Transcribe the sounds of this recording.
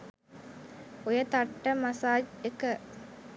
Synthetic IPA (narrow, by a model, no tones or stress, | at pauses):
ojɐt̪ɐʈːɐmɐsaːd͡ʒekə